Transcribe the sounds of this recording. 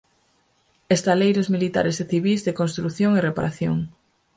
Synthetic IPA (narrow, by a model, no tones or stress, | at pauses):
est̪alejɾozmilit̪a̰ɾezeθiβizðekonst̪ɾuθjoŋerepa̰ɾaθjo̰ŋ